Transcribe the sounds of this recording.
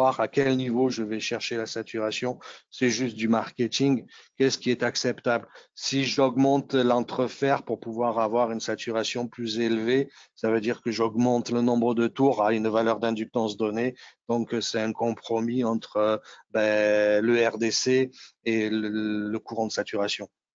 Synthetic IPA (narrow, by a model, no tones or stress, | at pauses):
aʁakʲɛlnivoʒəvɛʃɛʁʃelasat̪yʁasjɔ̃sɛʒyst̪̚d̪ymaʁkʲet̪iŋkʲɛsə̥kʲiɛt̪aksɛpt̪ablsiʒɔɡmɑ̃t̪lɑ̃t̪χəfɛʁpuʁpuvwaʁavwaʁynsat̪yʁasjɔ̃plyzelvesavød̪iʁkəʒɔɡmɑ̃t̪lənɔ̃bʁəd̪ət̪uʁaynvalœʁd̪ɛ̃d̪yk̚t̪ɑ̃sd̪ɔned̪̥ɔ̃ksɛt̪ɛ̃kɔ̃pχɔmiɑ̃t̪χəbɛləɛʁd̪eseː | ləkuʁɑ̃d̪əsat̪yʁasjɔ̃